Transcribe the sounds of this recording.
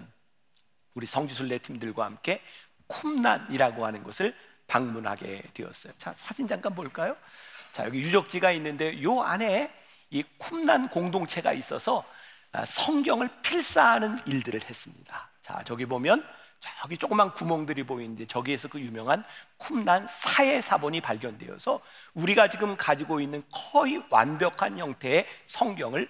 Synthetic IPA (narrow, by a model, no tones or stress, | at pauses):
n | uɾisʰʌŋd͡ʑus̬ʰuɭːe̞tʰimdɯɭɡwahamk͈e̞ | kʰumna̰niɾaɡohanɯnɡʌsʰɯɭ | paŋmunɦa̰ɡe̞̰dweʌ̰s͈ʌjot͡ɕa̰sʰad͡ʑind͡ʑaŋk͈anboɭk͈ajot͡ɕa̰jʌɡijud͡ʑʌk̚t͡ɕ͈iɡainːɯnde̞jojoa̰ne̞ | ikʰumnankoŋdoŋt͡ɕʰe̞ɡa̰is͈ʌsʰʌ | ʌ̰sʰʌŋɡjʌŋɯɭpʰiɭs͈aɦanɯniɭdɯɾɯɭhe̞s͈ɯmɲḭd̥at͡ɕa̰t͡ɕʌɡibomjʌnt͡ɕajʌɡit͡ɕ͈okɯmːankumoŋdɯɾiboinnd͡ʑe̞t͡ɕʌɡie̞sʰʌkɯjumjʌŋɦankʰumnansʰae̞sʰabʌɲipaɭɡjʌndwe̞jʌ̰sʰʌ | uɾiɡat͡ɕiɡɯmkad͡ʑiɡoinːɯnkʰʌiwa̰nbjʌkʰançjʌŋtʰe̞ːsʰʌŋɡjʌŋɯɭ